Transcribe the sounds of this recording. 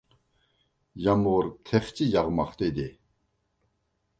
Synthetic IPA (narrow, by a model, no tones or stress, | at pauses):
jamwort̪ʰeχt͡ɕijaʁmaχt̪ed̪e